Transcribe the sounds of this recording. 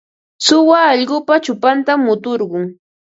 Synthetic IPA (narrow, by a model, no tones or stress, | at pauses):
sʊwaːʎɢʊpat͡ʃʊpant̪amːʊt̪oɾɢʊŋ